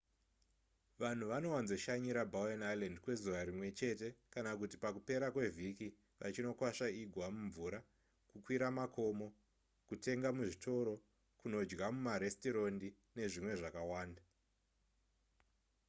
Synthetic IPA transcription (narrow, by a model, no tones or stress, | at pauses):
ʋan̤uʋano̞wanzo̞ʃaɲiɾabʱaonajlendikwe̞zuʋaɾimwe̞t͡ʃe̞te̞kanakuti̥pakupe̞ɾakwe̞vʱiki | ʋa̰t͡ʃino̞kwaʃaiɡʱwamuɱvuɾa | kukwiɾamakʰo̞mo̞ | kutʰe̞ŋɡamuʐitʰo̞ɾo̞ | kuno̞d͡ʒɡamumaɾestiɾo̞ndi | ne̞ʐimwe̞ʐakawaːnda